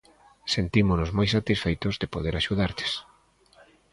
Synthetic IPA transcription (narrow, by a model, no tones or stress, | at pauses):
sent̪imʊnʊzmojsat̪isfejt̪ʊzðepoð̞eɾaʃuð̞aɾt̪e̥s